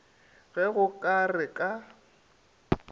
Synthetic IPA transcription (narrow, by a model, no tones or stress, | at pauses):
ɣɛɣʊkʼarɪkʼa